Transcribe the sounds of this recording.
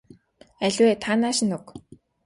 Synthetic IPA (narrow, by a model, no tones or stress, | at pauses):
æɮʲweːt̪ʰanaːʃĭnuk